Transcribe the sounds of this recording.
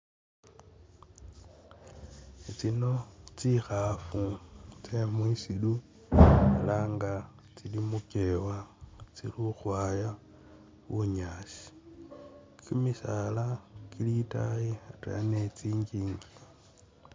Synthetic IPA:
et͡sino̞t͡sixafut͡semwisilu | elaːŋɡa | t͡silimukewat͡siluxwaːja | βuɲaːsi̥ | kʰimisalakilita̰jiata̰net͡siːɲɡiːŋɡi

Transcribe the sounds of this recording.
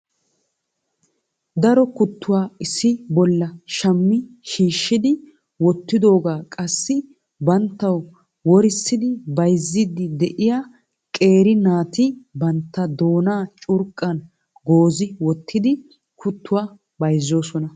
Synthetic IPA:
d̪ɐɾɔkʊt̪ːʊwaːɪsːɪbɔlːɐʃɐmːɪʃiːʃːɪd̪ɪ | wɔt̪ːɪd̪o̞ːɡaːkʼɐsːɪ | bɐnt̪ːɐw | wɔɾɪsːɪd̪ɪbɐjzːid̪ɪd̪ɛʔɪjaː | kʼe̞ːɾɪnaːt̪ɪbɐnt̪ːɐd̪o̞ːnaːt͡ʃʼʊɾkʼːɐn | ɡo̞ːzɪwɔt̪ːɪd̪ɪ | kʰʊt̪ːʊwaː | bɐjzːo̞ːsɔnɐ

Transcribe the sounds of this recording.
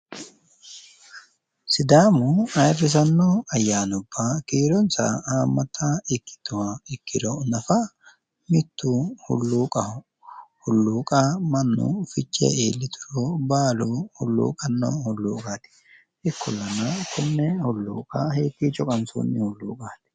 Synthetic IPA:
sɪd̪aːmʊɐjrɪs̬ɐnːoːɐjːaːnɔbːakiːɾɔnsɐ̰aːmːɐt̪ːaɪkːɪ̥t̪ːʊwɐɪkːɪd̪ɔnɐfɐ | mɪt̪ːuhʊ̰lːuːkʼɐ | hʊlːuːkʼamɐnːṵfɪt͡ʃʼːɛ̰eːlːɪt̪ʰʊɾoːbaːlohʊlːṵːkʼɐnːo̰ːhʊlːuːkʼaːt̪ɪ̥ | ɪkʰːʊlːɐnɐkʰʊnːɛhʊlːṵːkʼaheːt̪ːiːt͡ʃʼɔkʼɐnso̰nːɪhʊlːṵːkʼaːt̪ɪ̥

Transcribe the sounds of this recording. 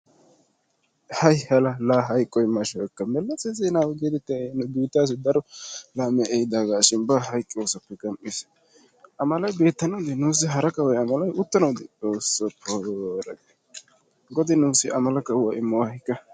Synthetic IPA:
hɐjhɐlɐlaːɦɐjkʼːɔjmɐʃɐwɛkːɐmɛlːɐt͡sːɛsɛjnaːwɡeːt̪ɛt̪ːɪnɔd̪uːt̪ːaːs̬ɪd̪ɐɾɔlaːmɛʔɛjd̪aːɡaːʃɪnbaɦɐjkʼːɪoːsɐpːɛɡɐmʔːɪs | ʔɐmɐlɐjbe̞ːt̪ːɐnɐwd̪ɪnuːs̬ːɪɦɐɾɐkɐwɐjɐmɐlɐjʊt̪ːɐnɐwd̪ɪt͡soːsːɔpʰoːɾɐ̰ɡe | ɡɔd̪ɪnuːsɪʔɐmɐlɐkːɐwɐʔɪmːɐwahɪkːɐ

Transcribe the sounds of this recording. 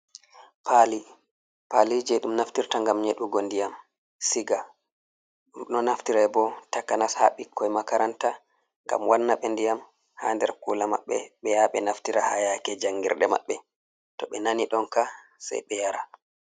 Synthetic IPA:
pʰali | palid͡ʒɛɗumnaftiɾtaŋɡamɲeɗuɡɔndijam | siɡa | nɔnaftiɾajbɔtakanasha̰ɓikːɔjmakaɾanta | ŋɡa̰mwanːaɓɛndijam | handɛɾkulama̰ɓːɛ̰ɓɛjaɓɛnaftiɾahajakɛd͡ʒaŋɡḭɾɗɛma̰ɓːɛ | tɔɓɛnaniɗɔnkasa̰jɓɛjaɾa

